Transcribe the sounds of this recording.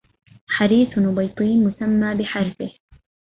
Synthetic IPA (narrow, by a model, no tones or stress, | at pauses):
ħaɾiːsnʊbɑjt̪ˤiːnmʊsamːaːbɪħɑɾfɪh